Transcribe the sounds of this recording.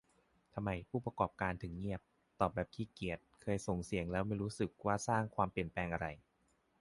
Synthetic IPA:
t̪ʰa˧mːa˧jpʰuː˥˩pɾa˧kɔː˨˩p̚kaː˧nt̪ʰɯ˩˦ŋɲi˥˩əp̚ | t̪ɔː˨˩p̚bɛː˨˩p̚k̪ʰiː˧˩ki˨˩ət̪̚kʰɤː˧jso˨˩ŋsi˨˩˦əŋlɛː˦˥wma˥˩jɾuː˦˥sɯ˨˩k̚waː˥˩saː˥˩ŋkʰwaː˧mpli˨˩ənplɛː˧ŋʔa˧ɾa˧j

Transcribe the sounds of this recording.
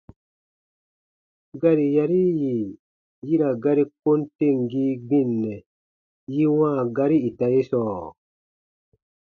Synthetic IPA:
ɡa˦ɾi˨ja˧ɾi˦ji˨ | ji˦ɾa˨ɡa˦ɾi˦ko˦nte˦˨ŋɡi˦ɡ͡bĩ˦˨nːɛ˨ | ji˦wãː˦˨ɡa˧ɾi˦i˨ta˨je˦sɔː˨

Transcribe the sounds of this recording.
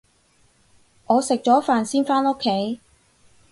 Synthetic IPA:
ŋʔɔː˨˧sɪ˨k̚t͡ʃɔː˨˥faː˨nsiː˥nfaː˥no˥kʰːe˨˥j

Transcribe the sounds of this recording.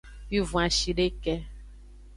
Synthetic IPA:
wi˦vũ˨a˨ʃi˨ɖe˦kɛ˦

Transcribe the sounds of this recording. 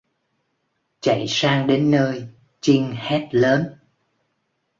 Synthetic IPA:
t͡ɕa̰˧˩˨jsaː˧ŋɗe˨˦nːəː˧j | t͡ɕi˧ŋhɛ˦˥t̚ləː˨˦n

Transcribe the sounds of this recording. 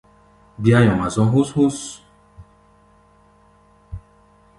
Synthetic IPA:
bi˦a˦jɔ̃˨mã˨zɔ̃˦ɦo˦sho˦s

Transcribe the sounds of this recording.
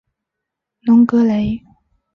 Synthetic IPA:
nʊ˨˧˥ŋkɤ˧˥le˨˧˥ɪ

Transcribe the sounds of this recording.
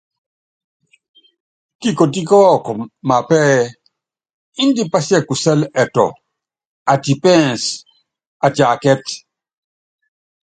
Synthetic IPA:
ti˦ko˨t̬i˦kɔː˦kɔ˨ma˨pɛ˦ | i˦ndi˦pa˦sjɛ˦ku˨sɛ˦lɛ˨tɔ̰˨ | a˨ti˨pɛ˦˨ns | a˨t͡ʃa˨kɛ˦t

